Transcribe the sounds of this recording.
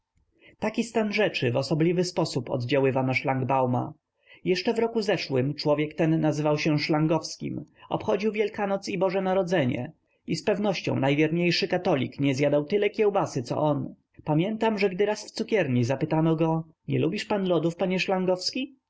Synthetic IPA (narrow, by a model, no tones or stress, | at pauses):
t̪akʲist̪anʐɛt͡ʂɘvɔsɔblʲivɘspɔsupɔ̰d̪d͡ʑawɘvanaʂlaŋɡbawma̰ | jɛʂt͡ʂɛvɾɔkuzɛʂwɘmt͡ʂwɔvʲjɛkt̪ɛnːazɘvawɕɛʂlaŋɡɔfskʲḭmɔ̰pxɔd͡ʑiwvʲjɛlkanɔt̪sibɔʐɛnaɾɔd̪zɛɲɛ̰ | ispɛvnɔɕt͡ɕɔ̰̃w̃najvʲjɛɾɲejʂɘkat̪ɔlʲḭkɲɛzjad̪awt̪ɘlɛkʲjɛwbasɘt̪sɔ̰ʔɔn | pamʲjɛnt̪amʐɛɡd̪ɘɾasft̪sukʲɛɾɲizapɘt̪anɔɡɔ | ɲɛ̰lubʲiʂpanlɔd̪ufpaɲɛʂlaŋɡɔfskʲi